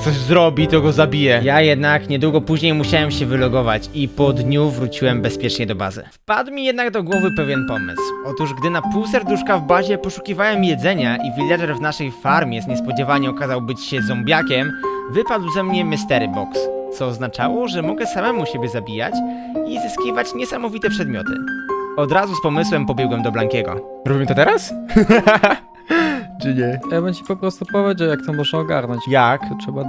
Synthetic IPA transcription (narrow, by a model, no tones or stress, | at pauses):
t̪sɔʑzɾɔbʲit̪ɔɡɔzabʲijɛjajɛd̪nakɲɛd̪wuɡɔpuʑɲejmuɕawɛmɕɛvɘlɔɡɔvat͡ɕipɔd̪ɲuvɾut͡ɕiwɛmbɛspʲjɛt͡ʂɲɛd̪ɔba̰zɘ̰fpad̪wmʲijɛd̪naɡd̪ɔɡwɔvɘpɛvʲjɛnpɔmɘ̰swɔt̪uʐɡd̪ɘnapuwsɛɾd̪uʂkavbaʑɛpɔʂu̥kʲivawɛmjɛd̪zɛɲaʔivʲilʲjadɛɾvnaʂɛjfaɾmʲjɛzɲɛspɔd͡ʑɛvaɲɛɔkazawbɘt͡ɕɕɛzɔmbʲjakʲɛmvɘpad̪wzɛmɲɛmɛst̪ɛɾbɔkst̪sɔːznat͡ʂawɔʐɛmɔɡɛsamɛmuɕɛbʲjɛzabʲija̰t͡ɕ | izɘskʲivat͡ɕɲɛsamɔvʲit̪ɛpʂɛd̪mʲjɔ̰t̪ɘ̰ɔd̪ɾazuspɔmɘswɛmpɔbʲjɛɡwɛmd̪ɔblaŋkʲɛɡɔ̰ | ɾɔbʲimɘt̪ɔt̪ɛɾas | t͡ʂɨɲɛaabɛnt͡ɕipɔpɾɔst̪upɔvʲad͡ʑawjak̚t̪ɔmɔʐnaɔɡaɾnɔɲt͡ɕjaktʂɛba